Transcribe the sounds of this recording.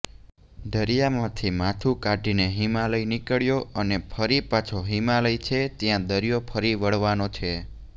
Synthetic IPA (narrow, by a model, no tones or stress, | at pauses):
d̪ʱəɾijamãt̪ʰimãt̪ʰukaɖʱineɦimaləinikəɭjoʔənepʰəɾipat͡ʃʰoɦimaləit͡ʃʰet̪jãd̪əɾijopʰəɾiʋəɽʋanot͡ʃʰe